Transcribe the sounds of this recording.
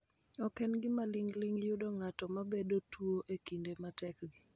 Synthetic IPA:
ɔkɛnɡɪmaliŋɡliŋjʊdɔŋatɔmabedotwoʔekindematɛkɡɪ

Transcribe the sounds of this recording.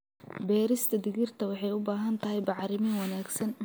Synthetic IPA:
bɛːɾɪst̪ʰɐd̪ɪɣɪrt̪ʰɐwɑħɑjʊbaːɦɐnt̪ʰɐɦɛjbɑʕɾɪmɪwɑnaːɡsɐn

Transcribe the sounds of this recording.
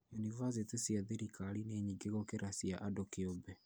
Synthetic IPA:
junivas̬etesiaðeɾikalineɲiŋɡeɣokeɾasiaʔadokeɔbɛ

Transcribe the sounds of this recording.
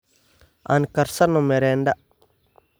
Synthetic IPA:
a̰nkɐɾsanomeɾenda

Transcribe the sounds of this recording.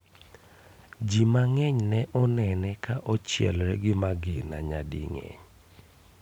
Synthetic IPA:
d͡ʒimaŋɛɲnɛʔɔnɛnɛkaʔɔt͡ʃjɛ̰lɾɛɡɪmaɡɪna̰ɲadḭŋɛ̰ɲ

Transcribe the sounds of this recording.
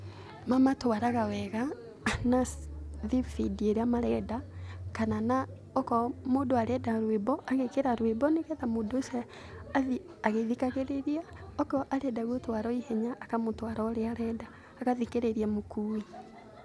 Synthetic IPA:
mamatwaɾaɣawɛɣa | naðifidieɾeamaɾɛdakanana | ɔkɔmoːdoaɾɛdaɾwebɔʔaɣekeɾaɾwebɔneɣɛðamodosɛ | aði | aɣeðikaɣeɾeɾiaɔkɔʔaɾɛdaɣotwaɾɔihɛɲaʔːkamotwaɾɔɾeaɾɛdaː | kaðikeɾeɾiamokui

